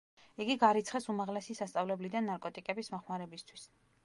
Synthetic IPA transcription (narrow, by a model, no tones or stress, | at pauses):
iɡiɡaɾit̪sʰχɛsumaʁlɛsisast̪sʼavlɛblid̪anːaɾkʼɔt̪ʼikʼɛbismɔχmaɾɛbist̪ʰwis